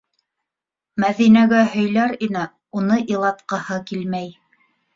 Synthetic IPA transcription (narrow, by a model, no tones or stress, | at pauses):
mæðinæɡæɦɵ̆jlæɾinæ | unɤʔilˠɑt̪qɑhɤkilmæj